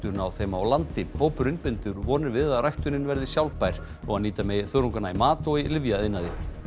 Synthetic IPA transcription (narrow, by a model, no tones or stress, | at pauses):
t̪ʏnawθejmaawlant̪ɪpoːwpʏɾʏnpɪnt̪ʏɾvɔːnɪɾvɪðaðrajht̪ʏnɪnvɛɾðɪsjawlpajɾ̥ | ɔɣaniːt̪amɛθœːɾuŋkanaimaːt̪ɔɣilɪvjaɪnːaðɪ